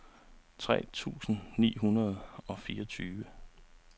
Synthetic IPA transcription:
t͡sʰʁɛ̰ːt͡sʰṵːsn̩nḭːɦunɐð̞ˠɒ̽fiːɐɒt͡sʰyːʋə

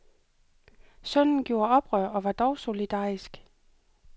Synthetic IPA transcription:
sœn̰n̩ɡ̥jo̝ːɐɒ̽b̥ʁœɐ̰ɒ̽ʋɑ̈d̥ɒʊso̝lid̥ɑ̰̈ːisɡ̥

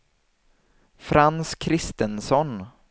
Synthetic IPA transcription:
fɾanskʰɾɪst̪ənsɔn

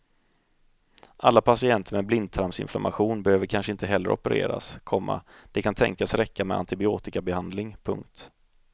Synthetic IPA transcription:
ʔalːapʰasɪɛnt̪ʰəɾmɛblɪnd̪̚t̪ʰɾampsɪ̰nfla̰mʔaɧuːnbɛhøːvəɾkʰanʂəɪnt̪əɦɛlːə̰ɾʔɔ̰pəɾḛːɾa̰skʰɔmːa̰d̪̥ɛkʰant̪ʰɛ̰ŋkasɾɛkːamɛa̰nt̪ɪbɪoːt̪ɪkabɛhand̪lɪŋpʰɵŋk̚t̪

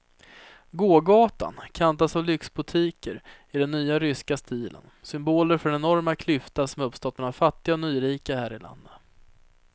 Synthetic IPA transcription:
ɡoːɡɑːt̪a̰nkʰant̪asɔvlʏksbʊt̪ʰiːkəɾɪd̪ɛnːyːaɾʏskast̪iːlə̰nsʏmboːləɾfœɖɛnɛnɔɾmakʰlʏft̪asɔmɵpst̪ɔt̪̚mɛnaɾfat̪ːɪɡaɔnyːɾiːkahæːɾɪla̰nd̪ə

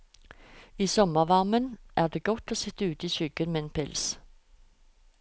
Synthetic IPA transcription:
iːsɔməʁʋɑʁmənʔæːʁd̪eːɡ̥ɔt̪oːsɪt̪əʉːt̪iːçʏɡ̥ənmeːeːnpʰɪls

